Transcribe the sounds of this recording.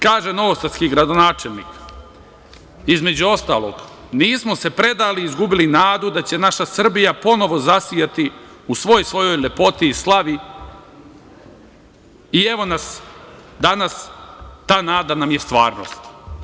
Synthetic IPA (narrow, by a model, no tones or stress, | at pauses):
kaːʒe̞no̞ʋosat̪skiɡɾad̪o̞naːt͡ʃelˠnḭːk | izme̞d͡ʑuo̞st̪a̰ːlˠo̰ɡ | niːsmo̞se̞pɾe̞d̪aːliːzɡubilinaːd̪ud̪at͡ɕe̞naʃasr̩bijapo̞no̞ʋo̞zasijat̪i | usʋo̞jsʋo̞jo̞jlʲe̞po̞t̪iːslˠaʋi | ie̞ʋo̞nasd̪anast̪aːnaːd̪anamjest̪ʋaːɾno̰st̪